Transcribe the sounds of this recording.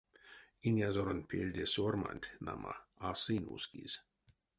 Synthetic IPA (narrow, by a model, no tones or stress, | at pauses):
inʲjazoɾonʲpʰʲelʲd̪ʲesorma̰nʲt̪ʲna̰ma̰asinʲṵskḭz̥ʲ